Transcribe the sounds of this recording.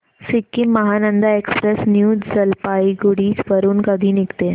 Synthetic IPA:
sikːimːəɦanənd̪aekspɾesnjuːdzəlpaiɡuɽiːsʋəɾuːnkəd̪ʱiːnikt̪e

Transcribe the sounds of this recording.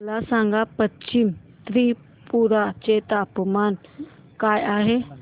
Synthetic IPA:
lasaŋɡapət͡ʃim | t̪ɾi | puɾat͡ʃet̪apəman | kajaːɦe

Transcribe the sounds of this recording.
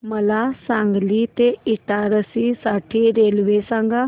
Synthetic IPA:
məlaːsãːŋɡliːt̪eɪʈaːɾəsisaːʈʰiːɾeːlʋeːsãːŋɡaː

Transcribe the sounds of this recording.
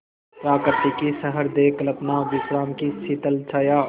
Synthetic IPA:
pɾaːkəɾt̪ikisɐɦəɾd̪eːklɐpnaːʋɪsɾaːmkisiːt̪əlt͡ʃʰaja

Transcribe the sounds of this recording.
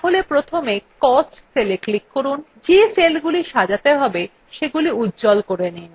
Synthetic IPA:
aɦolepɾot̪ʰomekkɔsʈseleklikːoɾun | d͡ʑeselɡuliʃad͡ʑat̪eɦɔbe | ʃeɡuliutːd͡ʑɔlkoɾenin

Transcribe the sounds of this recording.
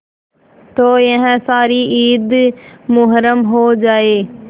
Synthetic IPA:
t̪oːɐ̃ɦɛ̃saːɾiiːd̪mʊɦɾəmɦod͡ʒaːeː

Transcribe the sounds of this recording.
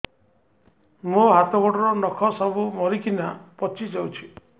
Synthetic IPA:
moɦat̪ɔɡɔʈɔɾɔnɔkʰɔsɔbumɔɾikinapɔt͡ʃʰid͡ʒawt͡ʃʰi̥

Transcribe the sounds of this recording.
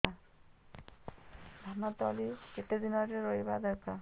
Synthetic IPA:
a | d̪ʱanat̪ɔliket̪ed̪inɔɾeɾɔjbad̪ɔɾka

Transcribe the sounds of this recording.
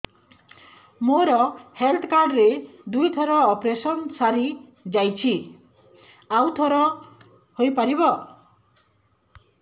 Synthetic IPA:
moɾɔhelt̪ʰkaɾɾed̪ujt̪ʰɔɾɔːpɾesɔnsaɾi | d͡ʒajt͡ʃʰi | awt̪ʰɔɾɔ | hojpaɾibɔ

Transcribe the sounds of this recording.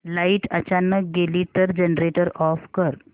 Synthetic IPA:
laiʈət͡ɕanək̚ɡeliːt̪əɾd͡ʑənɾeʈəɾɔfkəɾ

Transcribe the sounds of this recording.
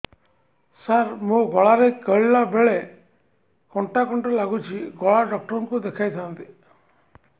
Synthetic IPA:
saɾmũɡɔɭaɾekəɭlabeɭe | kɔɳʈakɔɳʈɔlaɡut͡ʃʰiɡɔɭaɖɔk̚ʈɔɾɔŋkud̪ekʰajt̪ʰant̪i

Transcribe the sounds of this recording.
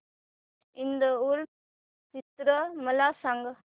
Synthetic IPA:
ɪnd̪ɐuɾ | t͡ʃɪt̪ɾɐmɐlaːsaːŋɡɐ

